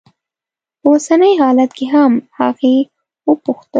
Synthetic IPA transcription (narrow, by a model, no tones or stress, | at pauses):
osanəjɦɑlat̪keɦamhɑɣe | wəpʊxt̪ə